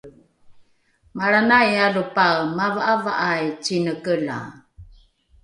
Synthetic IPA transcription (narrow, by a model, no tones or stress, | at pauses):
maɾanajalupaɣmavaʔava̰ʔajt͡ʃinəkəla̰